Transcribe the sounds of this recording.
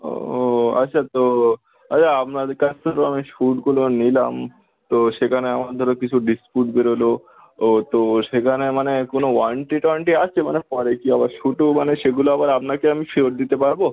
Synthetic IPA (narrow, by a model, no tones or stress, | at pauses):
o̰oa̰tːʃʰat̪o | aaapnad̪ɾkasʰt̪ʰoɾoamiʃuʈkulonilam | t̪oʃekʰaneamaɾd̪ʱɔɾokit͡ɕʰuɖispuʈbeɾolo | ot̪oʃekʰanemanekonoʋaɳʈiʈɔɳʈiast͡ɕʰemanepɔɾekiabaɾʃuʈumaneʃeɡuloabaɾapnakeamifioɾ̚d̪it̪epaɾbo